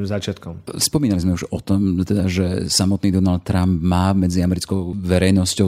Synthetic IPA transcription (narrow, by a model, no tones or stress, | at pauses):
mzat͡ʃɪat̪kɔmspɔmiːnalizmɛuʒɔt̪ɔmt̪ɛd̪aʒɛsamɔt̪niːd̪ɔnalt̪̚ːɾambmaːmɛd͡ziamɛɾit͡skɔʊʋɛɾɛjnɔscɔʊ